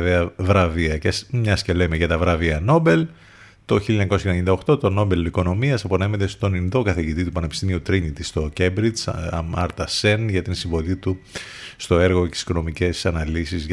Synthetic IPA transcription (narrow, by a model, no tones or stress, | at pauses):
ðeɐvɾɐviɐcesmɲɐscelemeʝɐt̪ɐvɾɐviɐno̞be̞l | t̪o̞çiliɲɐkosɐeneɲind̪ɐo̞xt̪o̞t̪o̞no̞be̞liko̞no̞miɐsɐpo̞ne̞met̪e̞st̪o̞ninðo̞kɐθeʝit̪it̪upɐnepi̥st̪imiut̪ɾinit̪ist̪o̞cebɾizɐ̰mɐɾt̪ɐsenʝɐt̪insiɱvo̞lit̪ust̪o̞e̞ɾɣot̪isi̥ko̞nomice̞sɐnɐlisizʝ